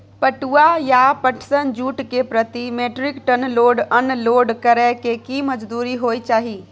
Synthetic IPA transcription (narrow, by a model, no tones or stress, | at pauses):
pəʈuajapəʈʰsənd͡ʒuʈkepɾət̪imeʈɾikʈənloɖənloɖkəɾɛkekiməd͡ʒd̪uɾiɦojt͡ʃaːɦi